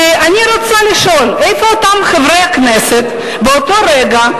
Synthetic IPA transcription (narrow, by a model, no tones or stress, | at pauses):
ʔanʲiɾot͡saliʃo̞lʔejfoːt̪amχevɾejakneset̪ | beot̪o̞ɾeɡa